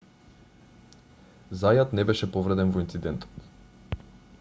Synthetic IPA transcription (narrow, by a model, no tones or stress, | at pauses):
zajat̪nɛbɛʃɛpɔvɾɛd̪ɛnvɔint̪sid̪ɛnt̪ɔ̥t̪